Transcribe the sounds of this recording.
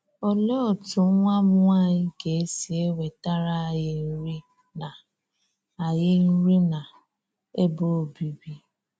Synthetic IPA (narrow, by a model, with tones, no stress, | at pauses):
ɔ˦lɔ˦˨tu˨˦ŋʷa˦mʊ˦a˦˨ji˦ɡe˨˦si˨˦e˦we˨ta˦ɾa˦˨je˦n̩˦ɾi˦ | na˨ | a˨je˦n̩˦ɾi˦na˨ | e˦bo˦o˨bi˨bi˦